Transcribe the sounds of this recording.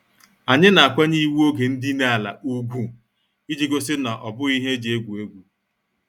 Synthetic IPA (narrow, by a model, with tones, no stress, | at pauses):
a˨ɲɪ˦na˨a˨kʷa˦ɲi˦wu˦o˦ɡe˨n̩˦dɪ˦na˦a˨la̰˨u˦ɡʷu˦ | i˦d͡ʒi˦ɡo˦sɪ˦na˨ʔɔ˨bʊ˦i˦ɦe˦d͡ʒe˦ɡʷu˨e˦ɡʷu˦